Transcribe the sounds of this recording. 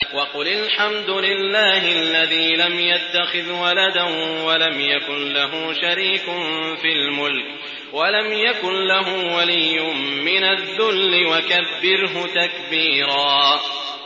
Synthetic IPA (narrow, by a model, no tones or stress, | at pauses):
wɑqʊlalħamd̪ʊlɪlːaːɦɪʔalːaðiːlamjat̪ːaxɪðwalad̪awalamjakʊnlaɦʊːʃaɾiːkʊnfiːlmʊlk | walamjakʊnlaɦʊːwalijːʊmːɪnaððːʊlːɪwakabːɪɾɦʊt̪akbiːɾɑː